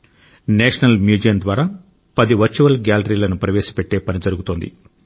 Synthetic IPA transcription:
neːʂɐnɐlmjuːd͡ʒijɐnd̪ʋaːɾaː | pɐd̪iʋɐɾt͡ʃuʋɐlɡaːlɐɾiːlɐnupɾɐʋeːʃi̥peʈːe̞ːpɐnid͡ʒɐɾuɡut̪oːnd̪ḭ

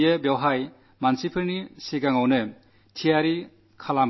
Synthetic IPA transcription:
ebjawɦaj | mansipʰɯɾnisiɡaŋawnɯ | tʰijaɾi | kʰalam

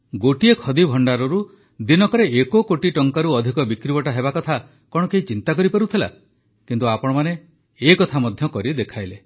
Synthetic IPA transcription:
ɡoʈiekʰɔd̪ibʱɔɳɖaɾɔɾu | d̪inɔkɔɾeʔekokoʈiʈɔŋkaɾuɔd̪ʱikɔbikɾibɔʈaɦebakɔt̪ʰa | kɔɽ̃ɔkeit͡ʃint̪ak̬ɔɾipaɾut̪ʰila̰ | kint̪uapɔɽ̃ɔmaneː | kɔt̪ʰamɔd̪ʱjɔkɔɾid̪ekʰajle

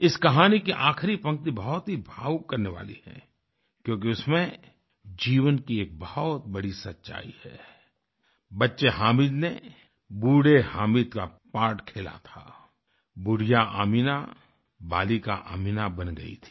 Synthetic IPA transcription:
ɪskɐɦaːnikiʔaːkʰɾipɐ̃ŋk̚t̪ibɐɦɔt̪ɦibʱaːwkɐɾneʋa̰ːlḭhɛ̰̃ː | kjõːk̬iʊsmẽ | d͡ʒiːʋənkieːk̚bɐhɔt̪̚bɐɽisɐtːʃa̰ːihɛː | bɐtːʃeɦaːmiːd̪ne | buːɽehaːmiːd̪kapaːɾʈkʰeːla̰t̪ʰa̰ː | bʊɽijaʔa̰ːmina | baːlikaʔa̰ːmiːnabɐnɡɐ̰ḭt̪ʰi̥

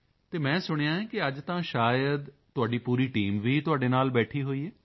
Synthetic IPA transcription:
t̪eːmɛ̃ːsʊɽ̃ejãːɛ̃ːkɪəd͡ʒt̪ãːʃaːjəd̪ | t̪ːʊaːɖiːpuːɾiːʈiːmʋiːt̪ʊaːɖeːnaːlbɛːʈʰiːɦoːiːɛː

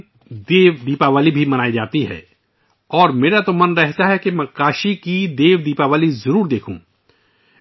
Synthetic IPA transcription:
d̪eːʋd̪iːpaʋaːlibʱimɐnaːid͡ʒaːt̪iɦɛ̰ː | ɔːɾmeːɾat̪omɐnɾɛɦt̪aɦɛkemɛ̃kaːʃikid̪eːʋd̪iːpaʋaːlizɐɾuːɾd̪eːkʰṵ̃

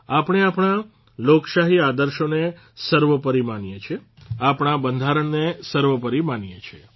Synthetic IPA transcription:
apəɳ̃eapɳ̃a | lokʃaɦiad̪əɾʃone | səɾʋəpəɾimanjet͡ʃʰeapɳ̃abənd̪ʱaɾəɳnesəɾʋəpəɾimanjet͡ʃʰe

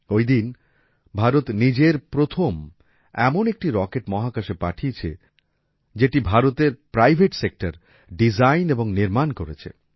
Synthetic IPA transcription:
ojd̪in | bʱaɾot̪nid͡ʑeɾpɾot̪ʰom | ɛmonek̚ʈiɾɔkeʈmɔɦakaʃepaʈʰiet͡ɕʰḛ | d͡ʑeʈibʱaɾot̪eɾpɾajbʱeʈsek̚ʈaɾ | ɖid͡ʑajneboŋniɾmankoɾet͡ɕʰḛ

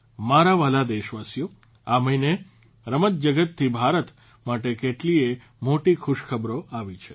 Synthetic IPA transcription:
maɾaʋalad̪eʃʋasjo | aməine | ɾəmət̪̚d͡ʒəɡət̪ʰːibʱaɾət̪ | maʈekeʈlie | moʈikʰʊʃkʰəbɾoaʋit͡ʃʰe̥

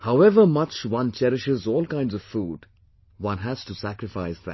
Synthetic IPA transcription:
haʊɛvəmʌt͡ʃwʌ̃nt͡ʃɛɾɪʃɪzɔːlˠkãɪ̃ndzʌv̥fuːɖ | wʌ̃nɦæz̥tusækɾɪfaɪsðæ̰

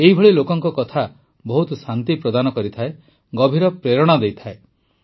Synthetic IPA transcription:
eɦibʱɔɭilokɔŋkɔkɔt̪ʰa | bɔɦut̪ɔsant̪ipɾɔd̪anɔkɔɾit̪ʰae | ɡɔbʱiɾɔpɾeɾɔɽ̃ɔd̪ejt̪ʰae

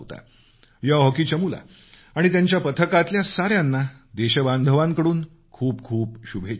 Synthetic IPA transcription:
t̪a̰ | jaɦɔkiːt͡ɕəmula̰ | aɽ̃it̪jaɲt͡ɕjapət̪ʰəkat̪ljasaɾjãnːa | d̪eɕəband̪ʱəʋãŋkəɽuːn | kʰuːpkʰuːpɕubʱe

